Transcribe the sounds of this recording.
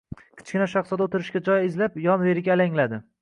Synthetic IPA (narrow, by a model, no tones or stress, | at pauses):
kʲʰɪ̥t͡ʃkʲɪnaʃaχsɒd̪aot̪ʰɪɾɪʃkʲad͡ʒɒjɪzlapjɒnve̞ɾɪɡʲaːlaŋlad̪ɪ